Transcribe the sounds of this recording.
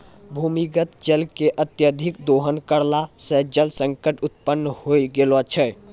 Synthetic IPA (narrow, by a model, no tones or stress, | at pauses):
bʱumiɡət̪d͡ʒəlkeʔət̪jəd̪ʱik̚d̪oɦənkəɾlasəd͡ʒəlsəŋkəʈut̪pənːhoiɡelɔt͡ʃʰɛ